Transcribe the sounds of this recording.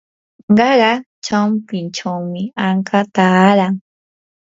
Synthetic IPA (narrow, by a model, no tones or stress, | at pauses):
ɢɑɢɑ | t͡ʃampɪnt͡ʃawmɪaɴkʰat̪aːɾaŋ